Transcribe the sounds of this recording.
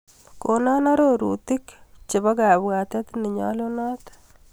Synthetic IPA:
ko˨nɔ˦na˦ɾoɾṵ˨ti˦kt͡ʃɪ˨bɔ˦ka˨bwa˨t̪ɛ˦t̪nɪ˨ɲɔ̰lo˦nɔ˦t̪

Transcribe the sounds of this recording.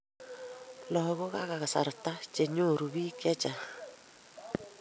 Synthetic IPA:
lɔ˨ɣo˦ɣa˦ɣa˨ɣa˨sa̰˨ɾta˦t͡ʃe˨ɲo˦ɾu˨bi˦kɛ˦t͡ʃa˨

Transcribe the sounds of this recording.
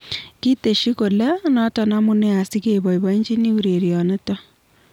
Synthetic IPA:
ki˦te˨ʃi˦ko˨la˦nɔ˦tɔ˨na˦mu˦ne˦a˨si˦ke˨bɔ˨ibɔ˦i˦ɲd͡ʒi˦ni˦u˨ɾe˨ɾjɔ˨ne˦tɔ˦

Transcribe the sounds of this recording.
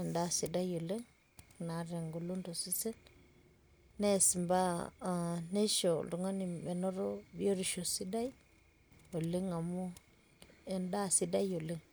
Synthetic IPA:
nda˦si˨da˦jo˨le˦ŋ | na˨ɾe˨ŋɡo˨lu˦ndo˨si˦se˦n | ne˦˨si˨mba˦˨ | ne˦ʃo˨du˨ŋa˦ni˨be˨no˦ɾo˦bi˦o˦ɾi˨ʃo˨si˦da˦j | o˨li˦ŋa˨mu˦ | e˨nda˦si˦da˦jo˨li˦ŋ

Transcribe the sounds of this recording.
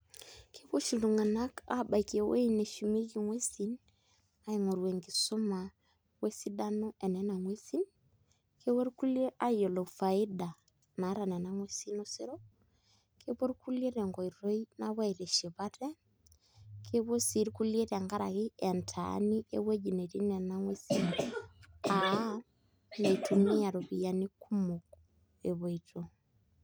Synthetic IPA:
kʰe˦βo˦ʃu˨lu˨ŋa˨na˦ka̰˦ba˨i˨ke˨wḛ˦i˦ne˨ʃu˨mi˦ki˨ŋwe˦sin | a˦i˨ŋo˨ɾwe˨ŋɡi˨so˦ma˨ | we˦si˦da˦no˦ʔe˨nɛ˦na˨ŋwe˦si˦n | kʰe˦wo˦ɾku˦lje˦ʔa˦jo˨lo˨fa˨i˦da˨ | na˨˦ɾa˨na˨na˦ŋwe˦si˦no˦si˦ɾo˦ | kʰe˦βo˦ɾku˦le˦ɾe˨ŋɡo˨i˨ɾo˦inaβwa˦i˨ɾe˨ʃi˨βa˦tɛ˦ | kʰe˦βo˦si˨ɾku˦lje˦ta˨ŋɡa˦ɾa̰˨kɪɛ˨ntʰa̰ni˦ʔḛwe˦d͡ʒi˨ne˨ɾi˦nɛ˨na˦ŋwe˦sin | a | ne˨itu˨me˦a˨ɾo˨βija˨ni˦kʰu˦moku | ḛ˨βo˨ito

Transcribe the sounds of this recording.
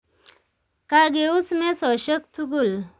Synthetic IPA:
ka˨ɡe˨u˦sme˦sɔ˨ɕə˦k̚t͡su˦ɡu˦˨l

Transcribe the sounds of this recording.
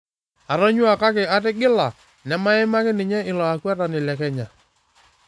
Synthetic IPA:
a˨ɾɔ˦ɲwa˨ka˦kɪ˨a˦t̬ɪ˦ɡɪ˦la˨ | nɛ˦ma˦ɪ˦ma˦kɪ˦nɪ˨ɲɛ˦ɪ˨lɔ˨a˨kwɛ˦ɾa˨nɪ˨lɛ˨kɛ˦ɲa˨

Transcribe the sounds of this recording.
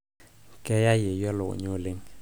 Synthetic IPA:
kɛ˦ja˦je˨jɔ˦lo̰˨ɲo˦˨le˦ŋ

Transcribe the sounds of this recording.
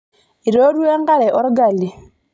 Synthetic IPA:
i˨ɾo˦ɾu˦ɛ˦ŋɡa˦ɾɛ˨ʔɔ˦ɾɔ˦ɡa˨li˨

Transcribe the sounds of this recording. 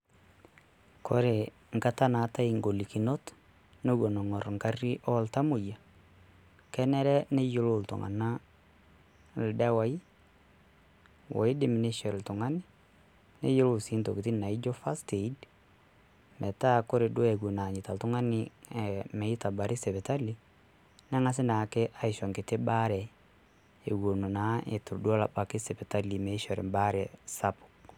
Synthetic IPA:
kʰo˦ɾe˨ | ŋka˦ta˦na˨ta˦i˨ŋɡo˨li˨ki˨no˦t | no˦wo˨no˨ŋɔ˨ɾŋka˦ri˦ʔɔ˦lta˦mʊ˨ja˨ | kɛ˦nɛ˦ɾɛ˦ne˦jo˦lo˨ltʊ̰˨ŋa̰˨na˦ | ldɛ˦wa˨i˦ | wɔ̰˨ɪ˦dɪ˨mi˨ne˦ʃɔ˨ɾltʊ˨ŋa˦nɪ˦ | nḛ˦je˦lo˨si˦nto˨ki˨ti˦na˨i˦d͡ʒɔ˦fa˦ste˨˦d | mɛ˨ta˦ko˦ɾe˨do˦ɛ˨ɡo˨na˨ɲɪ˨ta˨ltʊ˦ŋa˦nɪ˨ | mɛ˨i˦ta˨ba˨ɾi˦sɛ˨pɛ˨ta˦li˦ | nɛ˦ŋa˦s̬ɪ˦na˨ke˦ʔa˨i˨ʃɔ˨ŋke˨te˦ba˦ɾɛ˨ | e˨ɡo˨no˨na˨˦ʔe˨tu˨ɾdu˦ɔ˦la˨ba˨ke˦sɛ˨pe˨ta˦li˨me˨˦ʃɔ˨ɾɪ̰˨mba˦ɾɛ˨sa˦pʊ̥˨

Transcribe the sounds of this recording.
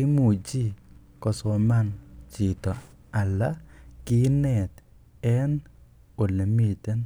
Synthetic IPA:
ɪ˦mu˨d͡ʒi˦ | kɔ˨sɔ˨ma˦nt͡ʃɪ˨t̪ɔ˨ | a˨la˦kɪ˦nɛ˨t̪ | ɛ˦n | o˨le˨mi˦˨t̪ɛ˦n

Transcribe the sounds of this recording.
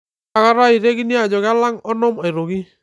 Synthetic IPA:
a˨ka˦ɾa˦i˨ɾe˦ɡi˦ni˦a˨d͡ʒɔ˨ɡa˦la˦ŋɔ˦nɔ˦ma˨i˨ɾo˨ɡi˦

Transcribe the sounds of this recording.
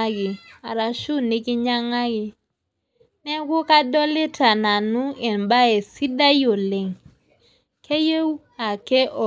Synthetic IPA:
a˦ɡɪ˨a˨ɾa˨ʃu˦ni˦ki˦ɲa˦ŋa˦ɡɪ˨ | nɛ˦ku˦ka˦dɔ˦lɪ˦ta˨na˨nu˦ɛ˨nba˦ɛ˨si˦da˦jo˨le˨ŋ | ke˦je˦w | a˨kɛ˦ʔɔ˨

